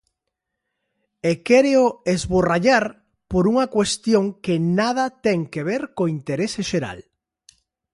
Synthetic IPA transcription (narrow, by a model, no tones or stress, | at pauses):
ekɛɾeoezβoraʎaɾ | poɾuŋɐkwest̪joŋkenaðɐt̪ɛŋkeβeɾkoint̪eɾeseʃeɾa̰l